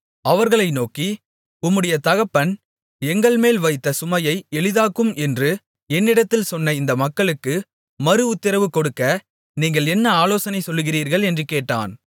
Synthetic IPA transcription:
ɐʋɐɾɣɐɭɐɪnoːki | ʊmːɯɽɐjɐt̪ɐɣɐpːɐn | ɛŋɡɐɭmeːlʋɐɪt̪ːɐsʊmɐjɐɪɛɭɯðaːkːɯmɛndrɯ | ɛnːɪɽɐt̪ːɪlsɔnːɐɪnd̪ɐmɐkːɐɭɯkːɯ | mɐɾɯʊt̪ːɪɾɐʋɯkːɔɽɯkːɐ | niːŋɡɐɭɛnːɐaːloːsɐnɐɪsɔlːɯɣɪriːɾɣɐɭɛndrɯkeːʈːa̰ːn

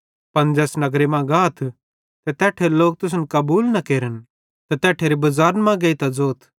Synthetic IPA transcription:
pɐnd͡ʒɛːsnɐɡɾemãɡaːt̪ʰ | t̪ɛt̪ɛːʈʰeloːk̚t̪ʊs̬ənkɐbuːlnɐkeːɾən | t̪ɛt̪ɛːʈʰeɾibɐzaːɾnmãɡɐit̪ad͡zoːt̪ʰ

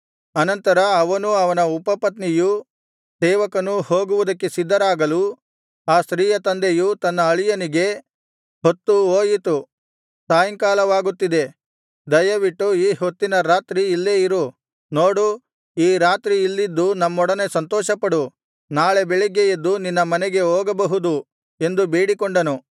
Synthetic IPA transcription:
ɐnɐnt̪ɐɾɐːʋɐnuɐʋɐnɐupɐpɐt̪niju | sɛːʋɐkɐnuho̞ːɡuʋud̪ɐkːe̞sid̪ːɐɾaːɡɐlu | aːst̪ɾiːjɐt̪ɐnd̪ejut̪ɐnːɐːɭijɐniɡe̞ | hot̪ːuoːjit̪u | saːjɐŋkaːlɐʋaːɡut̪ːid̪e̞ | d̪ɐjɐʋiʈːuiːhot̪ːinɐɾaːt̪ɾiːlːeːiɾu | noːɽu | iːɾaːt̪ɾiːlːid̪ːunɐmːɔɽɐne̞sɐnt̪ɔːʃɐpɐɽu | naːɭe̞beɭiɡejed̪ːuninːɐmɐneɡe̞oːɡɐbɐɦud̪u | e̞nd̪ubeːɽikoɳɖɐnu

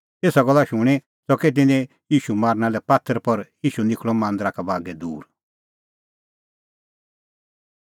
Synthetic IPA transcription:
eːsaɡɔlːaʃʊɽ̃e | sɔkɛt̪̬ɪ̃nɛ̃ | jiːʃumaːɾnalɛpaːt̪ʰəɾpɔɾjiːʃunɪkʰɭ̃ɔmãːnd̪ɾakabaːɡɛd̪ṵːɾ

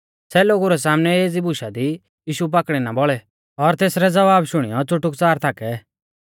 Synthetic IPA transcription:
sɛloːɡuɾɛs̬aːmnɛeːd͡zibʊʃad̪i | jiːʃup̬akɽ̃inabɔɭɛ | ɔɾt̪eːsɾɛd͡zɐʋaːbʃʊɽ̃ijɔt͡sʊʈːʊkt͡saːɾt̪ʰaːkɛ

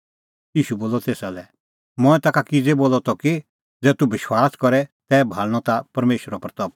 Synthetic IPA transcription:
jiːʃuboːlɔt̪eːsalɛ | mɔ̃ːɛ̃t̪akakid͡zeboːlɔt̪ɔki | d͡zɛːt̪ubɪʃwaːskɔɾɛt̪ɛːbʱaːɭɽ̃ɔt̪apɐɾmeːʃəɾɔpɐɾt̪ɔb̚

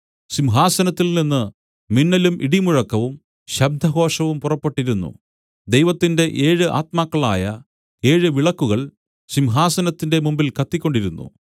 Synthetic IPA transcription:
ɕimɦaːsɐnɐt̪ːilninːɨ | minːɐlumʔiɽimuɻɐkːɐʋum | ɕɐb̚d̪ʱɐɦo̞ːʂɐʋumpurɐpːe̞ʈːiɾunːṵ | d̪e̞jʋɐt̪ːinde̞ʔeːɻɨʔa̰ːt̪maːkːɐɭa̰ːjɐ | e̞ːɻɨʋiɭɐkːuɣɐɭ | ɕimɦaːsɐnɐt̪ːinde̞mumbilkɐt̪ːikʲːo̞ɳɖiɾunːṵ

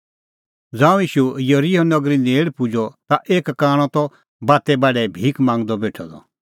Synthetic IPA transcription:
d͡zãːũjiːʃujɐɾiɦɔnɔɡɾineːɽpʊd͡ʒɔt̪aʔeːkːaːɽ̃ɔ̃t̪ɔ | baːt̪ɛbaːɖɛbʱiːkmãːŋɡd̪ɔbeːʈʰɔd̪ɔ̰

